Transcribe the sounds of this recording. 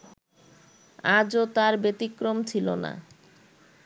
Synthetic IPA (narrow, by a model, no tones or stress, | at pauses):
ad͡ʑot̪aɾbet̪ikɾomt͡ɕʰilo̰na̰